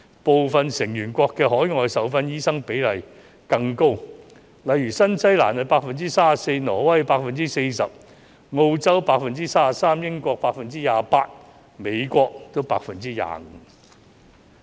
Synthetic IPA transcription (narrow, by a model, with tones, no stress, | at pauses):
po˨wfɐ˨nsɪ˨˩ŋjyː˨˩nkʷɔː˧kːɛː˧ɦɔː˨˥jŋɔː˧jsɐ˨˥wfɐ˧njiː˥sɐ˥ŋpe˨˥jlɐ˨˩j | kɐ˧ŋko˥w | lɐ˨jyː˨˩sɐ˥nsɐ˥jla̰ː˨˩nhɐ˨˧paː˧k̚fɐ˨nt͡siː˥saː˥ɐ˨se˧jnɔː˨˩wɐ˥jpaː˧k̚fɐ˨nt͡siː˥se˧jsɐ˨p̚ | ŋo˧wt͡sɐ˥wpaː˧k̚fɐ˨nt͡siː˥saː˥sɐ˨˩saː˥mjɪ˥ŋkʷɔː˧k̚paː˧k̚fɐ˨nt͡siː˥jaː˨˧paː˧t̚ | me˨˧jkʷɔː˧k̚t̪o˥wpaː˧k̚fɐ˨nt͡siː˥ja̰ː˧ŋ̩ː˨˦